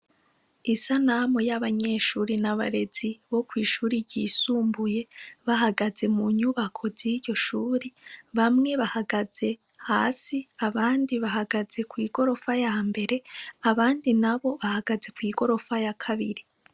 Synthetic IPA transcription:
isanamojaβaɲe̞ːʃuːɾinaβa̰ɾe̞z̥iβo̞kwiːʃuːɾiɟiːsuːmbuje̞βaɦaɡaze̞muɲuβakʰo̞ziɾɟo̞ʃuːɾiβamŋe̞βahaɡaz̥e̞ | ha̰ːsiaβaːndiβaɦaɡaz̥e̞kwiːɡo̞ɾo̞fajaːmbe̞ɾe̞aβaːndinaβo̞βahaɡ̥aze̞kwiːɡo̞ɾo̞fajakʰaβḭɾi

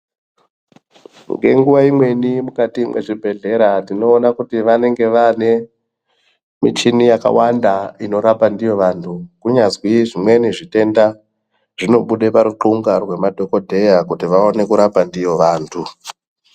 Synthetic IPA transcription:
ŋɡe̞̰ŋɡuʋaimwe̞nimukatimwʔḛʐibʱe̞ɮe̞ɾatino̞ːnakutiʋane̞ŋɡe̞ʋane̞ | mit͡ʃinijaka̰wandaino̞ɾapandijo̞ʋantʰukuɲazwiʐimwe̞niʐite̞nda | ʐ̥ino̞ɓuɗepaɾuǃuŋɡarwe̞madʱo̞ko̞dʱe̞jakutiʋao̞ne̞kuɾapandijo̞ʋaːntʰu

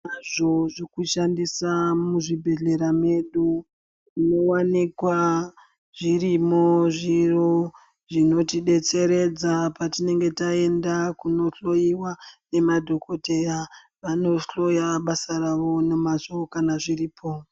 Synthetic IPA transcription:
naʐoʐikuʃandisamuʐibʱe̞ɮe̞ɾame̞ɗu | ino̞wanikwa | ʐirimo̞ʐiro | ʐino̞tiɗe̞t͡se̞ɾe̞d͡zapatine̞ŋɡe̞tae̞ndakuno̞ɬo̞jiwane̞madʱo̞ko̞te̞ja | ʋano̞ɬo̞jaɓasaraʋo̞ne̞mazokanaʐiriːpʰo̞

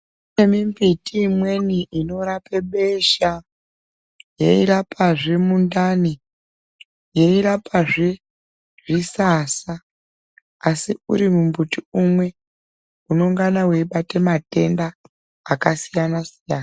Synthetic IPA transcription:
emimvitiːmwe̞niʔino̞ɾape̞ɓe̞ʃa | jḛḭɾapaʐe̞mundani | je̞iɾapaʐe̞ | ʐ̥isasaː | siuɾimumbutiumwe̞ | uno̞ŋɡanawe̞iɓate̞mate̞ndaː | kasijanasijaːna

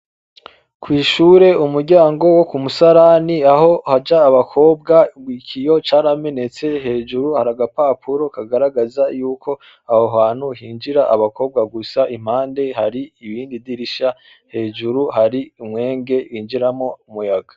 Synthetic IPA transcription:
kwiːʃuːɾe̞umuɾɟaːŋɡo̞wo̞kumusaɾaniaho̞had͡ʒaːβakʰo̞ːb̚ɡaɡwiːkʰijo̞t͡ʃaːɾame̞ne̞t͡se̞ɦe̞ːʒuɾuhaɾaɡapaːpʰuɾo̞kaɡaɾaɡazajuːkʰo̞ | ahoɦaːn̥huhiːnd͡ʒiɾaʔaβako̞ːb̚ɡaɡusaʔim̥aːnde̞haɾiːβiːndidiɾiʃa | he̞ːʒuɾuɦaɾiimŋe̞ːŋɡe̞βiːnd͡ʒiɾamo̞umujaɡḁ

